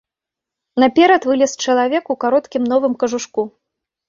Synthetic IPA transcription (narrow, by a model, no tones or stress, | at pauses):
nɐpʲɛɾɐt̪vɨlʲɛst͡ʂɐlˠavʲɛkukaɾɔt̪kʲimnɔvɨmkɐʐuʂku